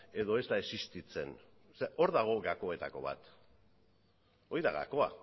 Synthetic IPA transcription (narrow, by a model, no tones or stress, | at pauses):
e̞ðo̞e̞zt̪aesist̪it͡se̞n | seʔo̞ɾðaɣ̞o̞ɡako̞e̞t̪ako̞̰βa̰t̪ | o̞jðaɣa̰ko̞a̰